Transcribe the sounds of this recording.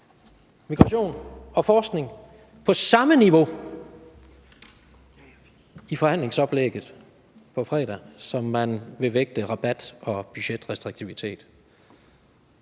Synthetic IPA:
miɡ̥ʁɑ̈ɕo̝̰ːnɒ̽fɒːsɡ̥ne̝ŋ | pʰɒ̽sɑ̈məniʋo̝ | ifɒ̽hæn̰le̝ŋsɒ̽b̥leɡ̥ð̩ˠ | pʰɒ̽fʁɛ̰ːɾ̥æsɒ̽mːænʋe̝ʋeɡ̥̚d̥əʁɑ̈b̥æd̥ɒ̽b̥yɕed̥ʁɛsd̥ʁeɡ̥̚t͡sʰiʋit͡sʰe̝̰ːd̥

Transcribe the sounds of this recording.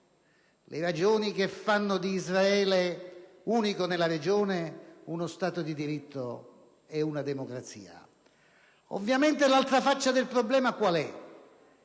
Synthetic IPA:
lʔeɾad͡ʒoːnik̟efːanːʊd̪iːzraɛːle | uːnikonelaɾed͡ʒoːneunʊst̪aːt̪ʊd̪id̪iɾit̪ʰːo | eunad̪emokɾat̪sḭːa̰ | o̰vːjament̪elalt̪ɾafat͡ʃːad̪elpɾɔblɛːmakwalɛ

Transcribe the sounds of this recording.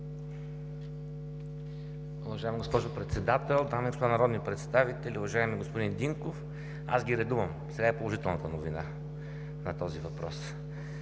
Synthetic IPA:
ʊvɐʒaɛmiɡospɔʒʊpɾɛt̪sɛd̪at̪ɛlˠd̪amɛkst̪vanɐɾɔd̪nipɾɛt̪st̪avit̪ɛlʲiʊvɐʒaɛmiɛɡospod̪ind̪iŋkof | a̰sɡʲiɾɛd̪uvəm | sɛɡaɛpolˠoʒit̪ɛlˠnət̪ənovina | nɐt̪ɔzivɐpɾɔ̰s

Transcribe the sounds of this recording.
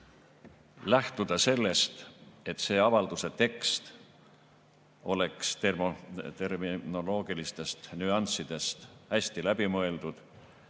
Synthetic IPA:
læht̪ud̪̥ɑse̞lːe̞st̪e̞t̪ːˑse̞ːɑvɑld̪̥use̞t̪e̞kst̪ | o̞̰le̞kset̪ermno̞lo̞ːɡ̥ilist̪e̞st̪nyɑnsid̪̥e̞st̪hæsʲt̪ilæb̥imɤe̞ld̪̥ud̪̥

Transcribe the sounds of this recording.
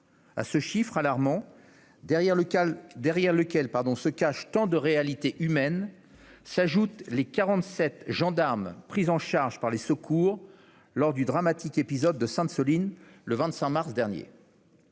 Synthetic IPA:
a̰səʃifχalaʁmɑ̃ | d̪ɛʁjɛʁləkʲɛlpaʁd̪ɔ̃səkaʃt̪ɑ̃d̪əʁealit̪eʔymɛn | saʒut̪lekaʁɑ̃t̪sɛt̪ʒɑ̃d̪aʁmpχizɑ̃ʃaʁʒpaʁlesəkʰuʁ | lɔʁd̪yd̪ʁamat̪ikepizɔd̪ːəsɛ̃t̪səlinləvɛ̃t̪sɛ̃maʁsd̪ɛʁnjḛ

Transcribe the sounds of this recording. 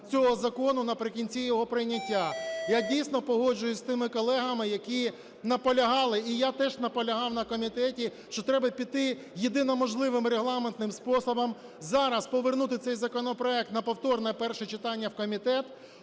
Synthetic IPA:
t͡sʲɔɦɔzɐkɔnʊnɐpɾɪkʲinʲt͡sʲijɔɦɔpɾɪjnʲɐtʲːajadʲijsʲnɔpɔɦɔd͡ʒʊjʊsʲt̪ɪmɪkɔlˠɛɦɐmɪjɐkʲi | nɐpɔlʲɐɦɑlˠɪijat̪ɛʒnɐpɔlʲɐɦɑwnɐkɔmʲit̪ɛtʲiʃt͡ʃɔt̪ɾɛbɐpʲid̪t̪ːɪ | jed̪ɪnɔmɔʒlˠɪʋɪmreɦlˠɑment̪nɪmspɔsɔbɔm | zɑɾɐspɔʋernut̪ɪt̪sɛjzɐkɔnɔpɾɔɛk̚t̪nɐpɔwt̪ɔrnɛpɛrʃɛt͡ʃɪt̪ɑnʲːɐwkɔmʲit̪ɛt̪

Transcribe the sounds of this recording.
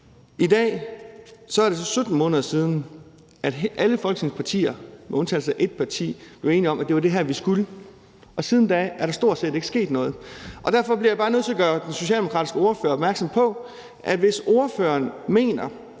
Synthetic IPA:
id̥ɛ̰ː | sɒ̽æɐɾ̥e̝sɒ̽sød̥n̩mɔ̽ːnəð̞ˠɐsiːð̞ˠn̩ | æd̥ʔæləfɒ̽lɡ̥əne̝ŋspʰɑ̈t͡sʰḭːɐmeɔ̽nt͡sʰɛːlsɑɪʔe̝d̥̚pʰɑ̈t͡sʰḭːb̥le̝ʊe̝ːniɒ̽mʔæd̥e̝ʋɑd̥e̝ɦæɐ̰ʋisɡ̥ulə | ɒ̽sið̞ˠn̩d̥ɛ̰æɐɾ̥ɑ̈sd̥o̝ɐ̰d̥se̝̰ːde̝ɡ̥əsɡ̥e̝̰ːd̥nɔ̽ːð̞̩ˠʔɒ̽d̥æɐfɒ̽b̥liɐjäbɑ̈ːnøðˠt͡sʰe̝ɐɡ̥ɶːɐd̥enso̝ɕɛ̰ldemokʰʁɑ̰̈ːdisɡ̥əo̝ːɐføɐɒ̽bmæɐɡ̥sɒ̽mpʰɒ̽ | ʔædʋe̝so̝ɐføɐnme̝̰ːnɐ

